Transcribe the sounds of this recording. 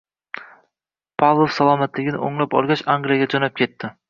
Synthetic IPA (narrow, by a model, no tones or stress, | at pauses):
pʰavlˠofsalˠɒmat̪lɪɡʲɪnɪo̰ŋlapɒ̰lˠɡʲaʃaŋɡlijaɡʲad͡ʒɒnap̚kʲe̞t̪ːɪ